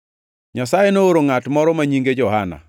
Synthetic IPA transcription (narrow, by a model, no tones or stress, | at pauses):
ɲasajenooɾoŋatmɔɾɔmaɲiŋɡed͡ʒɔɦana̰